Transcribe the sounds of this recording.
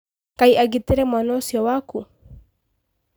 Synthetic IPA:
kaiʔaɡit̪eɾɛmanɔsjɔwaku

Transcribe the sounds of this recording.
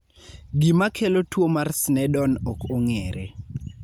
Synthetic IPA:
ɡimakʰelotwomarsnɛdɔnɔkʰoŋɛːɾe

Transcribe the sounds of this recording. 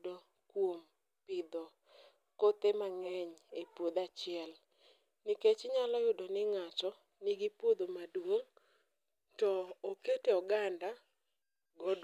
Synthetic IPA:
do | kwom | pɪd̪ɔ | kot̪emaŋɛɲepwod̪at͡ʃɪɛl | niket͡ʃɲalɔjʊdonɪŋat͡ʃɔ | niɡipwod̪omadwoŋ | tɔːketeɔɡanda | ɡɔd

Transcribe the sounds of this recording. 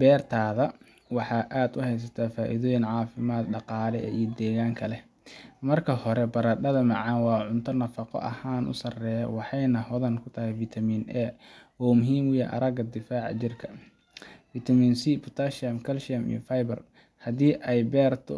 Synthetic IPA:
bɛːrt̪ʰaːðɐ | wɑħɑːʔaːd̪ʊhɛjs̬ɐt̪ʰaːfaːʔḭðɔːjɪnʕɑːfɪmaːd̪ɖɑqɑːlɛɛ̰ʔijɔd̪ɛːɣaːŋkʰɐlɛ | mɐrkʰɐhɔɾɛbɐɾɐɖɐðɐmɑʕɑnwɑːʕʊnt̪ʰɐnɐfɑqɔ̰ʔɐ̰haːnʔʊ̰sɐrɛːjɐ̰wɑħɑjnɐhɔðɐnkʰʊt̪ʰɐhɛjfit̪ʰɐmiːnʔɛːɔːmʊɦiːmwʊjɛʔɐ̰ɾɐɡɐd̪ɪfaːʕɑ̰t͡ʃɪrkʰɐ̥ | fit̪ʰɐmiːnsipʰʊt̪ʰaʃɐmkʰɐlʃɐmḭjɔfajbɐr | hɐðiːʔɛjbɛːrt̪ʰʊ̰

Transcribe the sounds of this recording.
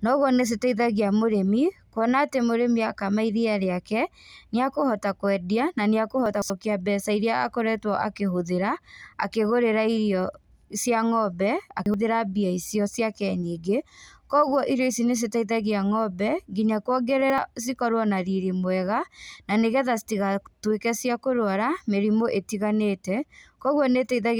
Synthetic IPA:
nɔɣwɔnes̬etaiðaɣiamoɾemikwɔnaːtemoɾemiakamaiðiaɾeakɛneakohɔtakwɛdiananeakohɔtasɔkiabɛsaiɾeaa̰koɾɛtwɔʔa̰keɦoðeɾa̰ːkeɣoɾeɾaiɾjɔ | sjaŋɔbɛakehoðeɾabiaisiɔsjakɛɲeɡekɔɣwɔʔiɾjɔis̬ines̬etaiðɛɣeaŋɔbɛɡiɲakwɔɡɛɾɛɾas̬ikɔɾwɔnaɾiɾimwɛɣananeɣɛðasi̥tiɣatwekɛsjakoɾwaɾameɾimoʔetiɣanetɛkɔɣwɔnetɛiðaɣ

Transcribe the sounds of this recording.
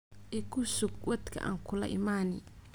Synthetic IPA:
ɪkʊsʊɡwɐt̪kʰɐ̰ʔa̰ŋkʊlɐ̰ʔḭmaːnɪ

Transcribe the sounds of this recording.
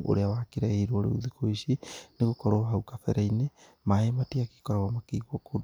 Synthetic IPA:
o̰ɾeawakiɾaiɾooɾḛuðikoisineɣokɔɾoɦaukafɛɾaine | maematiaki̥kɔɾaɣamakeɣwɔko

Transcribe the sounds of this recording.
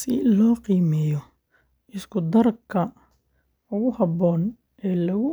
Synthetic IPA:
sɪ̰lɔːqiːmɛjɔ | ɪskʰʊd̪ɐrkʰːɐ | ʊɣʊhɐbɔːn | ɛːlɐɣʊ

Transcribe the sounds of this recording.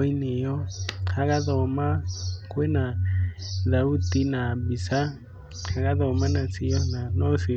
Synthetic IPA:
inɪjɔhʰakaðɔmakʼwɛna | ðautinabisa | hʰakaðɔmanat͡sʰɪɔnanɔsɪ

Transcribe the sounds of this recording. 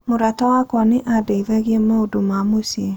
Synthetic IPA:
moɾatawakwɔneʔadeivɛɣemeodomamose

